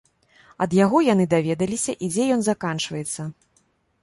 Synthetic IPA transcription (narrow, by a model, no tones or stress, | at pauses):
ɐd̪jaɣɔjanɨd̪avʲɛd̪ɐlʲisʲɐʔid͡zʲɛjɔnzakant͡ʂvɐjɛt̪sːɐ